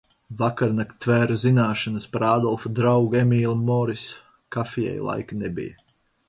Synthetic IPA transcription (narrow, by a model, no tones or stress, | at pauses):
vakaɾnakt̪væːɾazinaːʃanɐspaɾaːd̪ɔlˠfad̪ɾawɡemʲiːlˠɨmɔːɾis | kafijɛ̰jlˠa̰jknebḭja̰